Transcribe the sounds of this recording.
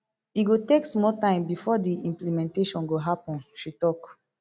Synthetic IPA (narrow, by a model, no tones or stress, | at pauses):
iɡoteksmɔtãɪ̃mbifɔdiĩmplimɛ̃nteʃɔ̃nɡoɦapɔ̃nʃitɔk